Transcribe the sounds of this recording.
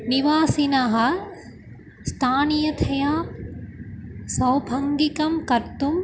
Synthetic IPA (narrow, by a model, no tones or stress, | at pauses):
niʋaːsinɐɦɐ̆ | st̪ʰaːnijɐt̪ʰɐjaː | sɐwbʱɐŋɡikɐmkɐɾt̪um